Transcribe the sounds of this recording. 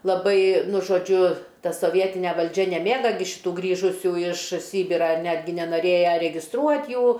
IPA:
lˠɐˈbɐɪ ˈnʊ ʒoːˈd͡ʒʲʊ ˈtɐ soːˈʋʲiɛtʲɪnʲɛ ʋɐlʲˈd͡ʒʲɛ nʲɛˈmʲeːɡɐ ʃʲɪˈtuː ˈɡrʲiːʒʊsʲuː ɪʃ ˈsʲiːbʲɪrɑː ɪr ˈnʲæːdʲɡʲɪ nʲɛnɐˈrʲeːjɛ rʲɛɡʲɪsˈtruɔtʲ ˈjuː

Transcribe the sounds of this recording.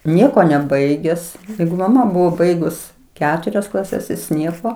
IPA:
ˈnʲiɛkoː nʲɛˈbɐɪɡʲɛs ˈjɛɪɡʊ mɐˈmɐ ˈbʊʋoː ˈbɐɪɡʊs ˈkʲæːtʊrʲɛs klˠɐˈsʲɛs ˈjɪs ˈnʲiɛkoː

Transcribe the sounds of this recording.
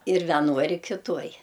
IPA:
ɪr ʋʲɛˈnoːj ɪr kʲɪˈtuɔj

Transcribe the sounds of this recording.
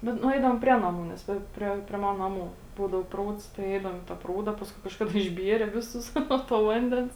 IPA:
bʲɛt nʊˈɛɪdɐʋoːm ˈpʲrʲiɛ nɐˌmuː nʲɛs ˈʋɐ ɪ ˈpʲrʲiɛ pʲrʲiɛ ˈmɑːnɐ nɐˈmuː ˈbuːdɐʊ ˈpruːts tɐɪ ˈɛɪdɐʋoːm ɪ tɐ ˈpruːdɐ ɪ ˈpɑːskʊɪ kɐʃˈkɑːdɐ ɪʒʲˈbʲiɛrʲɛ ˈʋʲɪˌsʊs ˈnuɔ toː ˈʋɐnʲdʲɛns

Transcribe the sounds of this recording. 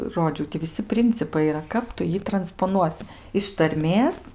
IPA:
ˈroːd͡ʒʲɛʊ tʲɪ ʋʲɪˈsʲɪ ˈpʲrʲɪnʲt͡sʲɪpɐɪ iːˈrɐ ˈkɐp tʊ ˈjiː trɐnspoːˈnuɔsʲɪ ɪʃ tɐrʲˈmʲeːs

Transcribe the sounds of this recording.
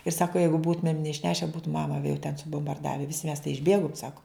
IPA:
ɪr ˈsɑːkoː ˈjɛɪɡʊ ˈbuːtʊmʲeːm nʲɛɪʃʲˈnʲæːʃʲɛ ˈbuːtʊ ˈmɑːmɐ ʋʲiɛ jɛʊ tʲɛn sʊbʊmbɐrˈdɑːʋʲɛ ˈʋʲɪsʲɪ mʲɛs tɐɪ ɪʒʲˈbʲeːɡʊm ˈsɑːkʊ

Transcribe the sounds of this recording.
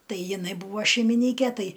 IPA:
ˈtɐɪ jɪˈnɐɪ ˈbuːʋɐ ʃʲɛɪmʲɪˈnʲiːkʲɛ ˈtɐɪ

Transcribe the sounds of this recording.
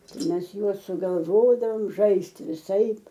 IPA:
ˈtɐɪ ˈmʲɛs ˈjuɔs sʊɡɐlˠˈʋoːdɐʋoːm ˈʒɐɪsʲtʲɪ ʋʲɪˈsɐɪp

